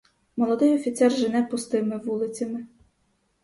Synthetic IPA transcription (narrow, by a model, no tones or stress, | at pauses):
mɔlˠɔd̪ɪjɔfʲit̪sɛrʒɪnɛpʊst̪ɪmɪʋulˠɪt͡sʲɐmɪ